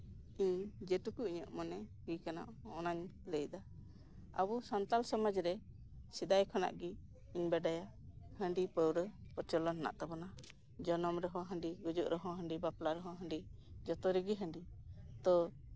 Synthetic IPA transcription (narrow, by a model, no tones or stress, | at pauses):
iɲd͡ʒɛʈukuʔiɲəʔmɔnɛɡikana̰ʔɔnaɲləjd̪a | a̰busant̪alsɔməd͡ʒɾɛ | sid̪ajkʰɔna̰ʔɡi | iɲbɛɖajahəɳɖipəwɾəpəɾt͡ʃɔlɔnːa̰ʔt̪abɔna | d͡ʒɔnɔmɾɛɦɔ̃ɦə̃ɳɖiɡud͡ʒuʔɾɔɦɔ̃ɦəɳɖibaplaɾɛɦɔ̃ɦə̃ɳɖid͡ʒɔt̪ɔɾiɡiɦə̃ɳɖit̪ɔ